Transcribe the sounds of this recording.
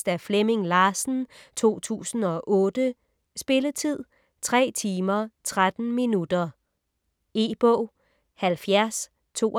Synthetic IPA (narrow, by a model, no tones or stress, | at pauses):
d̥æfleme̝ŋlɑ̈ːsn̩t͡sʰo̝̰ːt͡sʰṵːsn̩ɒ̽ʔɔ̽ːd̥ə | sb̥e̝lət͡sʰið̞̰ˠ | t͡sʰʁɛ̰ːt͡sʰiːmɐt͡sʰʁad̥n̩minud̥ɐ | e̝̰ːb̥ɔ̰ʊ̰ | hælfjæɐs | t͡sʰo̝̰ː